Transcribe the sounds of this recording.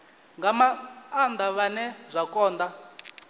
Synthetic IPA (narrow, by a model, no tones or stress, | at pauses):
ŋɡamaːnd̪aβanɛzʷakʼɔːnd̪a